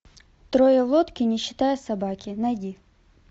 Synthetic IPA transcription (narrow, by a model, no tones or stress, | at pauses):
t̪ɾɔjɐʋlˠɔt̪kʲɪnʲɪɕːɪ̥t̪ɑjɛsɐbɑkʲɪnɐjdʲi